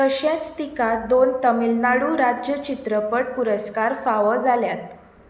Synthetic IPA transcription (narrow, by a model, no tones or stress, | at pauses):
kəɕãt͡st̪ikad̪ont̪əmilnaɽuːɾad͡ʑjət͡ɕit̪ɾəpəʈ̚puɾəskaɾfaʋəd͡zaljat̪